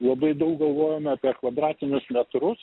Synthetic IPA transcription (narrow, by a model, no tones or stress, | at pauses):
lˠɐbɐɪd̪ɐʊk̚ɡɐlˠʋoːjɛmʲɐːpʲiɛkʋɐd̪ɾɑːt̪ʲɪnʲʊslʲɛt̪ɾʊs